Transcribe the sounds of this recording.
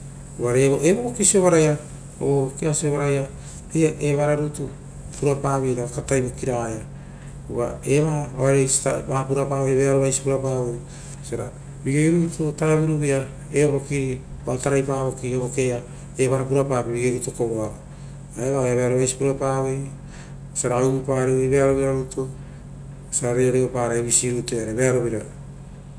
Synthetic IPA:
uβaɾeβoʔeβokokisio̞βaɾaja | o̰okiasio̞βaɾaja | eaʔeβaɾaɾutu | puɾapaβiɾaakatajbokiɾaɡaja | uβa̰eβaaɾejsi̥tabapuɾapaβeβeaɾoβajsi̥puɾapawej | seɾa | biɡeɡeɾutotaɾaβiɾuβia | eoβo̞kiɾibataɾajpaβo̞kiɾoβokea | eβaɾapuɾapapibiɡeɾutokoβoao | aeβaojaβeaɾoβajsi̥puɾapaːwej | saɾaawbupaɾiwejβeaɾo̞βiɾaɾuto | saɾaɾeoɾeopaɾajβisiɾutoaɾeβeaɾo̞βiɾaɾ

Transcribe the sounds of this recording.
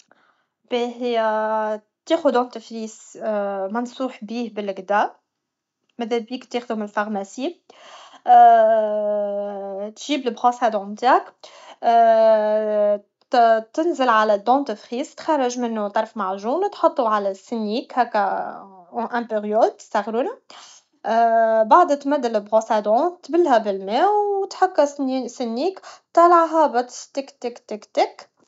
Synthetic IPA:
b̥iɦɪjæ | t̪eːxʊd̪ɑ̃nt̪əfɾiːs | mɑnsˤuːħbiːhbɪlɡd̪æ | mæðæbiːkt̪eːxd̪ʊmɪlfɑʁmæsi | t̪ʒiːblɪbɣɑsæd̪ʕʊmt̪akː | t̪ɪnzɪlʕalæd̪ɑ̃ːt̪əfxiːst̪xɑrˤːɑʒmɪnːʊt̪ˤɑɾˤfmaʕʒuːnt̪ħɑt̪ˤːuʕalæsːɪnːiːkhækːæ̃ | ʔæ̃peʁjolt̪sæɣɾuːnæ | baʕd̪t̪mæd̪ːɪlɪlbɣɑsæd̪ɔ̃t̪bɪlːhæbɪlmæːwwt̪ħakːæsɪnːiːkt̪ɑlɑʕɦɑbɑt̪t̪ɪkt̪ɪkt̪ɪkt̪ɪk

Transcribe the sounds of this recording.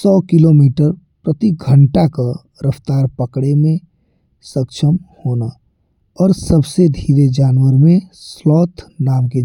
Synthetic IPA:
sɔːkɪlomiːʈəɾ | pɾət̪iɡʱəɳʈaka | ɾəft̪aːɾpəkɽemẽ | səkʃʰəmhoːna | ɔːɾsəbsed̪ʱiːɾed͡ʒaːnwəɾmẽslɔːt̪ʰnaːmke

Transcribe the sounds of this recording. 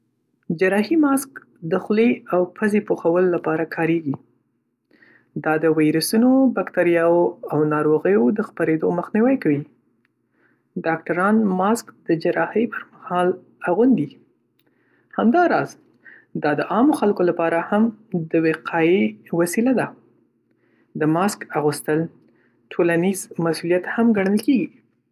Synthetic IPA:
d͡ʒaɾɑhimɑsk | d̪əxleawpʰazepoxawəlːapɑɾakʰɑɾeɡi | d̪ɑd̪əwajɾasunobakt̪aɾijɑwoawnɑɾoɣəjod̪əxpaɾed̪oməxniwəjkawi | ɖɑk̚ʈaɾɑnmɑskd̪̥əd͡ʒaɾɑhəjpʰəɾmahɑl | aɣund̪i | hamd̪ɑɾɑz | d̪ɑd̪əʔɑmoxalkolapɑɾahamd̪əweqʰɑiwasilad̪a | d̪əmɑskaɣust̪əl | ʈʰolanizmasulijat̪hamɡaɽ̃əlkeɡi

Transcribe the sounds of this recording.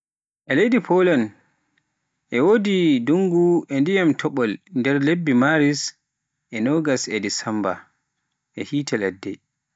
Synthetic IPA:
ʔɛlejdipʰɔlan | ʔɛwoːdiduŋɡuɛndijamtʰɔɓɔlndɛɾlebːimaɾis | ʔɛnɔɡasɛdisamba̰ | ʔɛhiːtʰɛlɛdːɛ̰

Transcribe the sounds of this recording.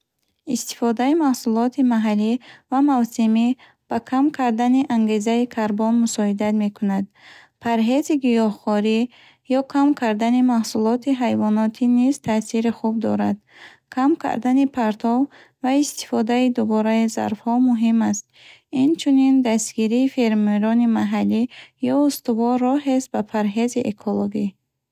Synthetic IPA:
ist̪i̥fɔd̪aimahsulɔt̪ʰimaɦalːivamavsimi | b̥akʰamkʰaɾd̪aniʔaŋɡe̞zaikʰaɾbɔnmusɔid̪at̪me̞kʰunad̪ | pʰaɾɦe̞ziɡijɔhχɔɾi | jɔkʰamkʰaɾd̪animahsulɔt̪ʰiɦajvɔnɔt̪ʰinizt̪ʰasiɾiχub̚d̪ɔ̰ɾad̪ | kʰamkʰa̰ɾd̪anipʰaɾt̪ʰɔv | vaist̪ʰi̥fɔd̪aid̪ubɔɾaiza̰ɾfhɔmuɦimast̪̚ | int͡ʃʰunind̪ast̪ɡiɾiːfeɾmeɾɔnimaɦalːijɔust̪uvɔɾːɔɦesbapʰaɾɦe̞ziʔekʰoloɡi

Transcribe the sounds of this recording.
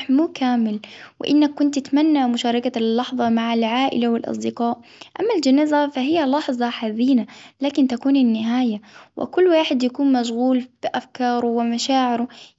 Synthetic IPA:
muːkaːmɪlwɪ̰ʔɪnːakːʊnt̪ʔɪt̪manːamʊʃɑːɾˤɑkalːɑħðˤɑmaʕalʕaːʔɪ̰lawɪlʔɑ̰sˤd̪ɪqaːʔ | ʔamːald͡ʒanaːzafaɦɪjːalɑħðˤɑħaziːnalaːkɪnt̪akuːnɪnːɪɦaːjawʔɪ̰kʊlːwaːħɪd̪jakuːnmaʃ̬ɣuːlb̥ɪʔafkɑːɾˤuwɪmaʃaːʕɪɾʊ

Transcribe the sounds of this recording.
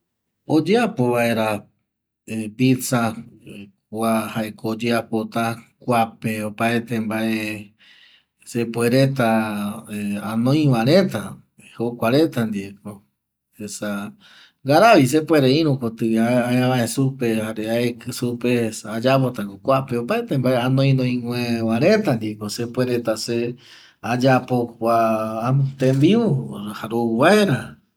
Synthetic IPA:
od͡ʒeapoβae̞ɾa | epit͡sa | kʷahaekod͡ʒeapot̪akʷapeopaet̪embaʔe | sepweɾet̪̬aeanõj̃wãɾẽt̪a | hokʷaɾet̪and̪ieko | esa | ɡaɾaβis̬epweɾeĩɾũkot̪ɨaaãβãẽsupehaɾeaekɨsupesad͡ʒapot̪aŋkokʷapeopaet̪embaeanõĩnõĩŋʷẽβaɾẽt̪and̪iekosepʷeɾet̪ase | ad͡ʒapokʷaː | t̪embiuhaɾowaeɾa

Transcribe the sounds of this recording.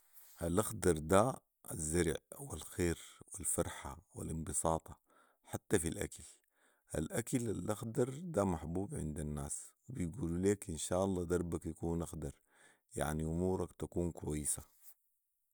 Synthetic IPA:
ʔalʔaxd̪ɑɾˤd̪a | a̰zːɑɾˤʕwilxeːɾwilfɑɾˤħawḭlinbɨsˤɑːt̪ˤɑ | ħat̪ːafilʔa̰kal | ʔa̰lʔakalalʔaxd̪ɑɾˤd̪amaħbuːbʕɪ̰nd̪anːaːswibijɡuːluleːkʔinʃaːʔɑlˤːɑːd̪ɑɾˤbakjakuːnʔaxd̪ɑɾˤ | ja̰ʕniʔʊmuːɾˤɑkt̪akuːnkwajːɪsa

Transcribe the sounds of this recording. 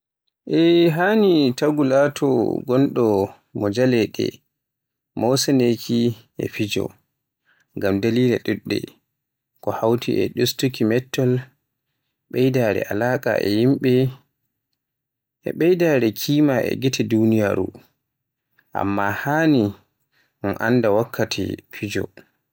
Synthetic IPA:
ʔɛɦaːnitaɡulatʰɔ̰ɡɔnɗɔ | mɔd͡ʒalɛɗɛ̰ | mɔwsɛnekʰiʔɛ̰fid͡ʒɔ̰ | ŋɡamdaliːlaɗuɗːɛ̰ | kɔhawtiʔɛɗustukimɛtːɔl | ɓɛjdaɾɛ̰ʔalaːkʼa̰ʔɛ̰jimɓɛ | ʔɛ̰ɓɛjdaːɾɛkʰiːmaʔɛ̰ɡitʰɛdunijaɾṵ | ʔa̰mːahaːni | nɔnʔa̰ndawakʰːatʰḭfid͡ʒɔ̰

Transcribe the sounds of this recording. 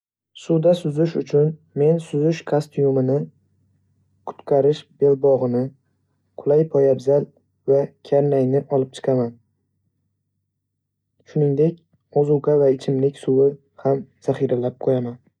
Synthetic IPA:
sud̪asʊzɪʃʊt͡ʃʰʊn | me̞nsʊzɪʃkʰast̪jumɪnɪ | kʰʊ̥t̪qʰɑɾɪʃb̥e̞lbɒʁɨnɪ | qʰʊlˠajpʰɒjabzal | vakʲʰaɾnajnɪʔɒlˠɪp̚t͡ʃʰɨ̥qʰaman | ʃʊnɪŋd̪e̞kʲ | ɒzuwqavaɪt͡ʃʰɪmlɪkʲsʊwɪ | hamz̥aχiɾalap̚qʰojaman

